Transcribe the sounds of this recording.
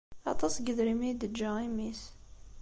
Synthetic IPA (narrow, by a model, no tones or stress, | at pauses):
ɑ̰t̪ˤɑsɡəðɾimid̪əd͡ʒːæimis